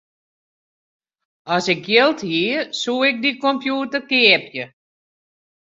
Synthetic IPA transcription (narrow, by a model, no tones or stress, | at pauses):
ɔsɪkjɪlˠthisuɪk̚dikompjuːtərkeəpjə